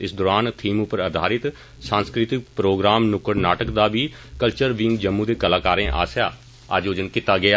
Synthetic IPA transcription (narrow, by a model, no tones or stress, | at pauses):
ɪsd̪oːɾaːnt̪ʰiːmʊpəɾəd̪ʱaːɾɪt̪ | sãːnskɾɪt̪ɪk̚pɾoːɡɾaːmnʊkəɾnaːʈəkd̪aːbiː | kəlt͡ʃəɾʋɪ̃ŋɡd͡ʒəmːũːd̪eːkəlaːkaːɾẽːʔa̰ːsjaː | ə̰ːd͡ʒjoːd͡ʒənkɪt̪aːɡɪaː